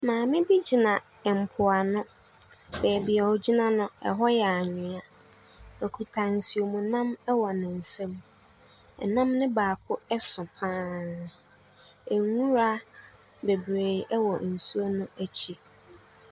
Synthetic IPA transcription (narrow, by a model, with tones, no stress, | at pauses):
mãː˨mɪ̃˦bi˦d͡ʑi˨nã˨ | m̩˨pʰʊ˨a˨nʊ̃˦ | bɛː˨bɪ˨ɛ˨ɔ˨d͡ʑi˦nã˦nʊ̃˦ɛ̰˨ɦɔ˦jɛ˨a˨ɲɪ̃˨a˨ | ɔ˨kʰu˨tʰa˨n̩˨si˨o˨mũ˨nã˦mɛ˦wɔ˨nɪ̃˨n̩˨sɛ̃˦m | ɛ˨nã˦mnɪ̃˦baː˨kʰʊ˦ɛ˦sʊ̃˨pʰãː˦ | ɛ˨ŋũ˦ɾa˦ | be˨bɾe˨ɛ˦wɔ˨n̩˨su˦æ˦nʊ̃˦æ˦t͡ɕʰi˦